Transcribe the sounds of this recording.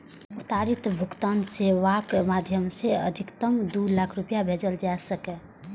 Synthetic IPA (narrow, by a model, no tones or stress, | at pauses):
ut̪aɾit̪bʱukt̪anseʋakmad̪ʱjəmseə̰d̪ʱikt̪əmd̪ulakʰɾupjabʱed͡ʒəld͡ʒasəkɛ